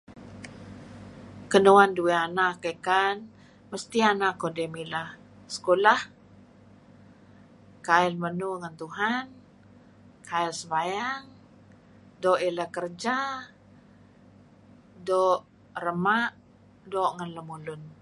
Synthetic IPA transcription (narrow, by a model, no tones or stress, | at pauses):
kənuandueanakəkan | məst̪ianakodemilah | sə̥kolah | kaɛlmənuŋant̪uɦan | kʰaɪlsəbajaŋ | doʔiləkərd͡ʒa | dɔʔ | rəmaʔ | doʔŋanləmulʊn